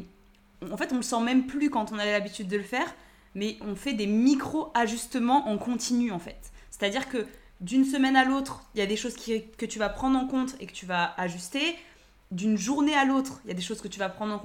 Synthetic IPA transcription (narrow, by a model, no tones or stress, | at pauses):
ɑ̃fɛt̪ɔ̃ləsɑ̃mɛmplykɑ̃t̪ɔ̃navɛlabit̪yd̪ːələfɛːʁ | mɛɔ̃fɛd̪emikχoaʒyst̪əmɑ̃ʔɑ̃kɔ̃t̪inyɑ̃fɛt̪se̥t̪ad̪iʁkə | d̪yns̬əmɛnalot̪χijad̪eʃozkʲikət̪yvapχɑ̃d̪ʁɑ̃kɔ̃t̪χḛkə̥t̪yvaaʒyst̪e | d̪ynʒuʁnealot̪χijad̪eʃoz̥kət̪yvapχɑ̃d̪ʁɑ̃k